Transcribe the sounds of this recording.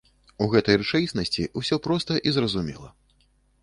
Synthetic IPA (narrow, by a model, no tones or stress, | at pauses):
uɣɛt̪ɐjrɨt͡ʂajʲisnɐsʲt͡sʲiusʲɔpɾɔst̪ɐʔizrɐzumʲɛ̰lˠɐ̰